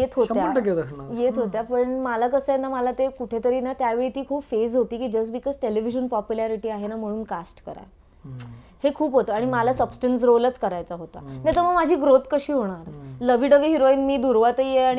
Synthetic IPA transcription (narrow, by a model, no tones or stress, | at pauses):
jet̪ʰɦojaəɳʈəɡed̪əknajet̪ʰɦot̪japəɳmalakəsəenaməlat̪ekuʈʰet̪əɾiːnat̪jaʋeɭit̪iːkʰuːpfezɦot̪iːkiːd͡ʑəs̬ʈbikɔːd͡zʈeliʋiɕənpɔpjulaɾiʈiːaɦenam̤əɽ̃uːnkasʈkə̰ɾa̰ | hekʰuːpɦot̪əaɽ̃imalasəbsʈəns̬ɾolət͡skəɾajt͡saɦot̪a̰nat̪əɾməɡmad͡ʑʱiːɡɾot̪kəɕiːɦoɽ̃aɾləʋiɖəʋiːɦiɾoinmiːd̪uɾʋat̪əjeaɽ̃i